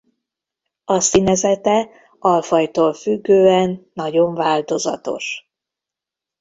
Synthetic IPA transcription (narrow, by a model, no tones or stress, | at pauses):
ɒsinɛzɛt̪ɛ | ɒlfɒjt̪oːlfyɡːøːɛnːɒɟo̞ɱvaːlt̪o̞zɒ̰t̪o̞̰ʃ